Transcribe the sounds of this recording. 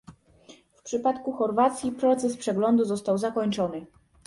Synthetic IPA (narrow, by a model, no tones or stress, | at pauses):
fpʂɘpat̪kuxɔɾvat̪sʲjipɾɔt̪sɛspʂɛɡlɔnd̪uzɔst̪awzakɔɲt͡ʂɔnɘ